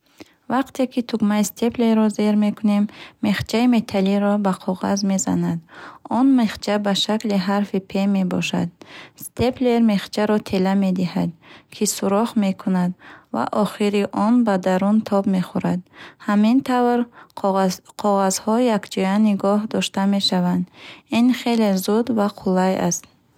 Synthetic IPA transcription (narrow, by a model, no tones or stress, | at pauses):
vaqt̪ʰe̞kʰit̪ʰuɡmaist̪ʰe̞pleɾɔzeɾme̞kʰune̞mːe̞χt͡ʃʰaime̞t̪ʰaliɾɔbaqʰɔʁa̰zme̞za̰nad̪ɔnmeχt͡ʃʰabaʃakliɦaɾfipʰe̞me̞bɔʃa̰d̪̚st̪ʰe̞ple̞ɾme̞χt͡ʃʰaɾɔt̪ʰe̞lame̞d̪iha̰d̪kʰisuɾɔχme̞kʰunad̪va̰ʔɔχiɾiʔɔnbad̪aɾunt̪ʰɔbme̞χuɾad̪hamint̪ʰavɾ | qʰɔʁazhɔjakd͡ʒɔjaniɡɔhd̪ɔʃt̪ame̞ʃavand̪inχe̞lezud̪vaqʰulaja̰st̪̚